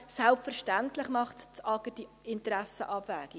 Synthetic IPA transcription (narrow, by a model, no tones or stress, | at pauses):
sælpfɛɾʃtæntlɪχmɑχtt͡sɑkəti | ɪntəɾæsə̰ʔɑbvæːɡ̥i